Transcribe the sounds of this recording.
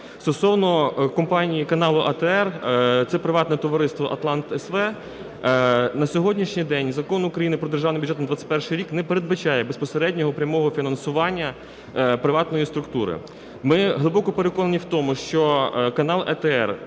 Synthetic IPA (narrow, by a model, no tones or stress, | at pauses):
st̪ɔsɔwnɔkɔmpɑnʲijikɐnɑlˠʊʔɐt̪ɛɛrt̪sɛpɾɪʋɑt̪nɛt̪ɔʋɐɾɪst̪ʋɔʔɐt̪lˠɑnt̪ɛsʋɛ | nɐsʲɔɦɔdʲnʲiʃnʲijd̪ɛnʲzɐkɔnʊkɾɐjinɪpɾɔd̪erʒɑwnɪmʲbʲʊdʒɛt̪mɐd̪ʋɑt͡sʲːɪ̥tʲpɛrʃɪjɾʲiknɛpeɾed̪̚bɐt͡ʃɑjɛbespɔseɾɛdʲnʲɔɦɔpɾʲɐmɔɦɔfʲinɐnsʊʋɑnʲːɐ | pɾɪʋɑt̪nɔjist̪ɾʊkt̪uɾɪ̰ | mɪɦlˠɪbɔkɔpeɾekɔnɐnʲiwt̪ɔmʊʃt͡ʃɔkɐnɑlˠɛ̰t̪ɛɛ̰r